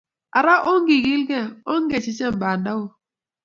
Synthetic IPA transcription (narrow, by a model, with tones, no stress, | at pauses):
a˨ɾa˦ʔo˦ŋ˦ɡi˨ɡi˦lɡɛ˦o˦ŋ˦ɡɛ˦˨t͡ʃi˦t͡ʃɛ˦˨m̩˨ba˨nda˦wo˦